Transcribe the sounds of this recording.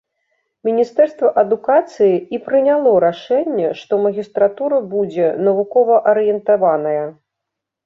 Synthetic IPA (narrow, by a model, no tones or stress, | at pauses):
mʲinʲist̪ɛrst̪vɐʔɐd̪ukat̪sɨjiipɾɨnʲalˠɔɾaʂɛnʲːɛʂt̪ɔmɐɣʲist̪ɾat̪uɾɐbud͡zʲɛnɐvukɔvɐʔɐɾɨjɛnt̪avanɐjɐ